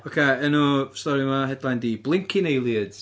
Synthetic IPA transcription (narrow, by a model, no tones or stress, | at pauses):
okʰeənustɔɾimaɦɛdlˠajndiblˠɪŋkʰɪnejlˠiəd̥